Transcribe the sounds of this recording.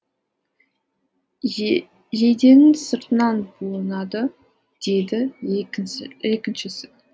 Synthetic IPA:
jed̪e̞nɪŋsəɾt̪ənɑnbulˠənɑd̪ə | d̪̥e̞jd̪ɪ | ɪekʲɪnʃɪsɪt̪

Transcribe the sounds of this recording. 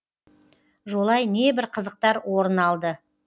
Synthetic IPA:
ʒo̞lˠɑjne̞bɪɾqʰəzəq̚t̪ɑɾwʔoɾənɑlˠd̪ə

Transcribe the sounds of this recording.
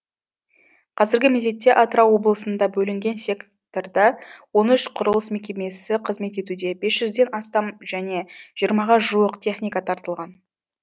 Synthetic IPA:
qʰɑzɪɾɡʲɪmeze̞t̪ːe̞ʔat̪ɾɑwo̞blˠəsənd̪ɑbɵlɪŋɡʲe̞nsʲe̞k | t̪ord̪ɑwo̞nʏʃqʰʊɾəlˠəsme̞kʲe̞me̞sɪqʰəzme̞t̪e̞t̪ud̪e̞be̞sʒʏzd̪e̞nɑst̪ɑmʒæne̞ʒ̥ijəɾmɑʁɑʒuəqt̪ʰʲe̞χnijkat̪ʰɑɾt̪əlˠʁɑn

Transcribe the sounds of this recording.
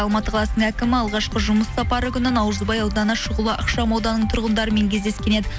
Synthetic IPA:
ɑlˠmɑt̪əqʰɑlˠɑsnəɴækʲɪmɪɑlˠʁɑʃqəʒʊməsːɑpɑɾəkʲʏnɪnɑwɾəzbɑjɑwd̪ɑnɑʃʊʁəlˠəʔɑqʃɑmɑwd̪ɑnəɴt̪ʰʊɾʁənd̪ɑɾəme̞ŋkʲʰe̞zd̪eskʲe̞ned̪ɪ

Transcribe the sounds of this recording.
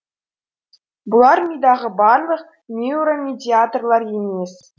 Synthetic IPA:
bŭlˠɑrmʲid̪ɑʁɤ̆bɑrlˠɤ̆χ | mʲiuɾomʲedʲiat̪rlˠɑrjemʲesʲ

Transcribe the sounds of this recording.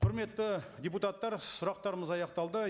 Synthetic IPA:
qʰʊɾme̞t̪ːɪd̪ʲeput̪at̪ːɑɾsʊɾɑq̚t̪ɑɾəməzɑjɑqt̪ɑlˠd̪ə

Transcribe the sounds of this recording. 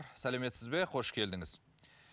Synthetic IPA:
ɾsæleme̞t̪sɪzbe̞qʰo̞ʃkʲʰe̞ld̪ɪŋɪz̥

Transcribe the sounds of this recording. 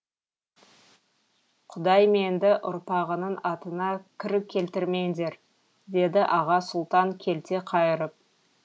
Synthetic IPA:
qʰʊd̪ɑjme̞nd̪ɪʔʊ̰ɾpɑʁənənɑt̪ənɑkʲʰɪɾɪkʲʰːe̞lt̪ɪɾme̞nd̪e̞ɾ | d̪e̞d̪ɪʔɑʁɑsʊlˠt̪ɑŋkʲʰe̞lt̪e̞qʰɑjəɾəp̚

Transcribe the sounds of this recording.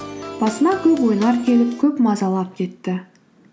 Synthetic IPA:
b̥ɑsənɑkʲʰɵpwo̞jnɑɾkʲʰe̞lɪpkʲʰɵpmɑzɑlˠɑp̚kʲʰe̞t̪ːɪ

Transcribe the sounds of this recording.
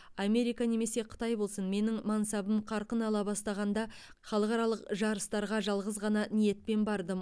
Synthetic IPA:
ɑme̞ɾijkane̞me̞se̞qʰʊ̥t̪ɑjbo̞lˠsənme̞nɪŋmɑnsɑbəmqʰɑɾqənɑlˠɑbɑst̪ɑʁɑnd̪ɑ | χɑlˠəqɑɾɑlˠəqʒɑɾəst̪ɑɾʁɑʒɑlˠʁəzʁɑnɑnije̞t̪̚pe̞nbɑɾd̪ə

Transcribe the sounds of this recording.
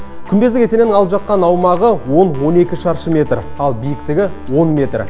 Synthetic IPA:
kʲʰʏnb̪e̞zd̪ɪkʲese̞nenɪŋɑlˠəpʒɑt̪̚qɑnɑwmɑʁəwo̞nwo̞ne̞kʲɪʃɑɾʃəmʲe̞t̪rɑlˠbijɪkt̪ɪɡʲɪwo̞nmʲe̞t̪r

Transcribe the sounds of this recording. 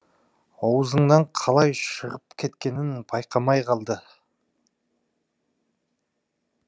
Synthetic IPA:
ɑwəzəɴnɑɴqʰɑlˠɑjʃəʁəp̚kʲʰe̞t̪kʲe̞nɪnb̥ɑjqʰɑmɑjqʰɑlˠd̪ə

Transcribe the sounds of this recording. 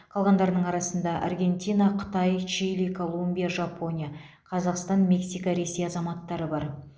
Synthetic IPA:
qʰɑlˠʁɑnd̪ɑɾənəɴɑɾɑsənd̪ɑʔɑ̰rɡʲe̞nt̪ʲijnɑqʰə̥t̪ɑjt͡ʃilikʰo̞lˠumbʲijaʒɑpo̞nʲija | qʰɑzɑqst̪ɑnmʲe̞ksijkəɾe̞sejɑzɑmɑt̪ːɑɾəbɑɾ

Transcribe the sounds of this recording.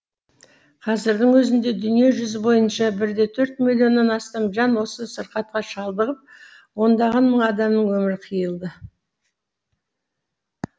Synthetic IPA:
qʰɑzɪɾd̪ɪŋwɵzɪnd̪e̞d̪ʏnije̞ʒʏzɪbo̞jənʃɑbɪɾd̪e̞t̪ʰɵɾt̪̚milʲːjo̞nːɑnɑst̪ɑmʒɑnwo̞səsəɾqɑt̪̚qɑʃɑlˠd̪əʁəp̚ | wo̞nd̪ɑʁɑnməɴɑd̪ɑmnəɴwɵmɪɾqʰijəlˠd̪ə

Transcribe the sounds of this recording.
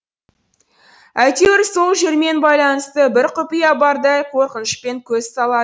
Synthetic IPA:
æjt̪ewɪɾso̞lˠʒe̞ɾme̞nbɑjlˠɑnəst̪əbɪɾqʰʊpijɑbɑɾd̪ɑjqʰo̞ɾqənəʃpe̞ŋkʲʰɵz̥sɑlˠɑd̪ə

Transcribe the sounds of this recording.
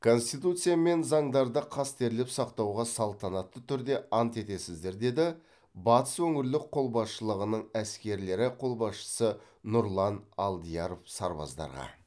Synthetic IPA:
kʰo̞nst̪ijt̪ut̪sɨjame̞nzɑɴd̪ɑɾd̪əqʰɑst̪e̞ɾlɪpsɑqt̪ɑwʁɑsɑlˠt̪ɑnɑt̪ːət̪ʰʏɾd̪e̞ɑnt̪e̞t̪e̞sɪzd̪e̞ɾd̪e̞d̪ɪ | bɑt̪ə̥swɵŋɪɾlɪk̚qʰo̞lˠbɑsʃəlˠəʁənəɴæskʲe̞ɾle̞ɾɪqʰo̞lˠbɑsʃə̥sə | nʊɾlˠɑnɑlˠd̪ijɑɾofsɑɾbɑ̰zd̪ɑ̰ɾʁɑ̰

